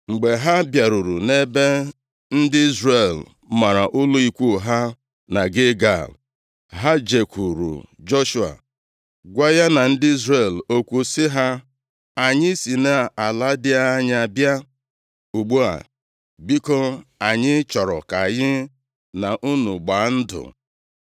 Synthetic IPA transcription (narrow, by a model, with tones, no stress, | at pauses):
ŋ͡m̩˨ɡ͡be˨ɦa˦bja˨ɾu˨ɾu˨ne˦be˦ | n̩˦dɪ˦i˦zre˨l | ma˨ɾa̰˨ʔʊ˦lʊ˦i˦kʷu˦˨ɦa˦ | na˨ɡɪ˦ɡa̰˦˨l | ɦa˦d͡ʒe˨kʷu˨ɾṵ˨d͡ʒɔ˦ʃu˨a̰˨ | ɡʷa˦ja˦na˨n̩˦dɪ˦i˦zɾe˦˨lo˦kʷu˦sɪ˦ɦa˦ | a˨ɲɪ˦si˨ne˦a˨a˨la˦dɪ˦a˦ɲ˦a˨bja˦ | u˨ɡ͡bu˦a̰˨ | bi˦ko˦la˨ɲɪ˦t͡ʃɔ˨ɾɔ˨ka˨ɣɪ˦ | na˨ʔu˦nu˨ɡ͡ba˨˦n̩˦dʊ̰˨